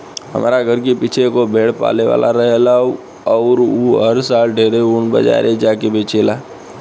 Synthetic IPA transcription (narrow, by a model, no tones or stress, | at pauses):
ɦə̰ma̰ːɾaɡʱəɾkepit͡ʃʰekobʱeːɽpa̰ːleʋa̰ːlʔa̰ɾəɦela | ɔːɾuɦəɾsaːlɖʱeːɾeuːnbə̰d͡ʒa̰ːɾed͡ʒaːkebʱeːt͡ʃʰeːlaː